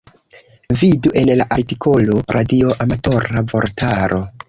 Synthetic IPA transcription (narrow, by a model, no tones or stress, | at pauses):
viduʔe̞nlaʔaɾtikʰo̞loɾʔadio̞ʔamato̞ɾavo̞̰ɾtʰaɾo̞